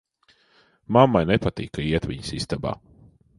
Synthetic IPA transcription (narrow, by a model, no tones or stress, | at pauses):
mamːajnɛpat̪ḭːkɐiɛt̪ʋʲiɲsist̪aba̰ː